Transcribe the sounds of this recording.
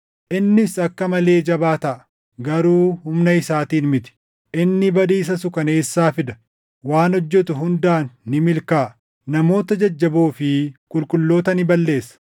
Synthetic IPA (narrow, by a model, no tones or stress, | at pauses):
ʔɪnːɪsɐkːɐmɐle̞ːd͡ʒɐbaːt̪ɐʔɐ | ɡɐɾuːhʊmnɐɪsaːt̪iːnmɪt̪ɪ̥ | ʔɪnːɪbɐᶑiːs̬ɐsʊkɐne̞ːsːaːfɪd̪ɐ̥ | waːnɔd͡ʒːɛt̪ʊɦʊnd̪aːnːɪmɪlkaː | nɐmo̞ːt̪ɐd͡ʒɐd͡ʒːɐboːfɪkʼʊlkʼʊlːo̞ːt̪ɐnɪbɐlːe̞ːsːɐ̥